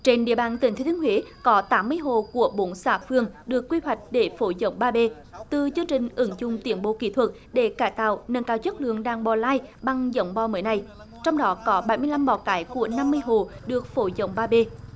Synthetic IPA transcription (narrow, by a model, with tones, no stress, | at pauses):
t͡ɕe˧nɗḭ˧˨əɓaː˧˨nt̪ï˨˩ŋt̪ʰːt̪i˨˦nhwi˨˦kɔ˨˦t̪aː˨˦mːɨ˧əjɦo˨ku˧˩əɓo˨˦nsaː˧˩fɨ˧əŋɗɨ˨˩əkːwi˧hwa˨˩jk̟̚ɗe˧˩fo˨˦zə̰˧˦wŋ͡mɓaː˧ɓe˧ | t̪ɨ˨˩zɨ˧əŋt͡ɕï˨˩ŋ̟ʔɨ˨˦ŋzʊ˨ŋ͡mt̪i˨˦ənɓo̰˧˨˦kḭ˧˩t̪ʰwə˨˩t̚ | ɗe˧˩kaː˧˩jt̪a̰ː˧˨wnə˧˨nkaː˧˩wt͡ɕə˦˥t̚lɨ̰˧˨əŋɗaː˨˩ŋɓɔ˨˩laː˧jɓa˧ŋzə̰˧˦wŋ͡mɓɔ˧˩məː˨˦jna˨˩j | t͡ɕɔ˧wŋ͡mɗɔ˨˦kɔ˨˦ɓa˧˩jmɨ˧əjla˧mɓɔ˧˩kaː˨˦jku˧˩əna˧mːɨ˧əjɦo˨˩ɗɨ˨˩ək̚fo˨˦zə̰˧˦wŋ͡mɓaː˧ɓe˧